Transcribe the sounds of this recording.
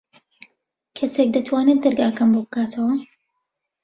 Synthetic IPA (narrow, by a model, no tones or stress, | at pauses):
kʰɐsek̚d̪ɐt̪ʰwaːnɛt̪̚d̪ɐɾɡaːkɐmboːbɨkʰaːt̪ʰɐwɐ